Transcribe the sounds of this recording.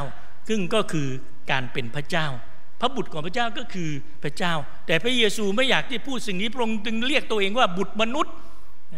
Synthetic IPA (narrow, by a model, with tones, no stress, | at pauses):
w | sɯ˥˩ŋkɔː˥˩kʰɯː˧ | kaː˧npe˧npʰɾa˦˥t͡ɕaː˥˩w | pʰa˦˥bu˨˩t̪̚kʰɔː˩˦ŋpʰɾa˥t͡ɕaː˥˩wkɔː˥˩kʰɯː˧ | pʰɾa˦˥t͡ɕaː˥˩w | t̪ɛː˨˩pʰɾa˦˥jeː˧suː˧ma˥˩jaː˨˩k̚t̪ʰi˥˩pʰuː˥˩t̪̚si˨˩ŋniː˦˥pɾo˧ŋt͡ɕɯ˧ŋɾi˥˩ək̚t̪u˧əʔeː˧ŋwaː˥˩bu˨˩t̪̚ma˧nu˦˥t̪̚